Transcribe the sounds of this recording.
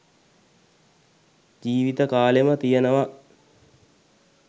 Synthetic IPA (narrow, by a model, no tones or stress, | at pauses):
d͡ʒiːʋit̪əkaːlemət̪ijənəʋa